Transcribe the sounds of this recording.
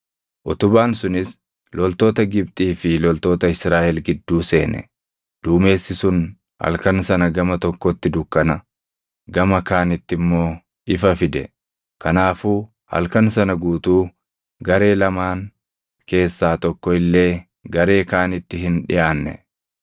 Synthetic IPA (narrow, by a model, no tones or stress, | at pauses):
ʔʊt̪ʊbaːnsʊnɪs | lɔlt̪o̞ːt̪ɐɡɪb̚t̪ʼiːfɪlɔlt̪o̞ːt̪ɐɪsɾaːʔɛlɡɪd̪ːuːse̞ːnɛ̰ | d̪̥uːme̞ːsːɪsʊn | hɐ̰lkɐnsɐnɐɡɐmɐt̪ɔkːɔt̪ːɪd̪ʊkːɐnɐ | ɡɐmɐkaːnɪt̪ːɪmːo̞ː | ʔɪfɐfɪd̪ɛ̰ | kɐnaːfuː | hɐ̰lkɐnsɐnɐɡuːt̪uː | ɡɐɾe̞ːlɐmaːŋ | ke̞ːsːaːt̪ɔkːɔɪlːe̞ː | ɡɐɾe̞ːkaːnɪt̪ːɪɦɪnᶑɪjaːnːɛ̰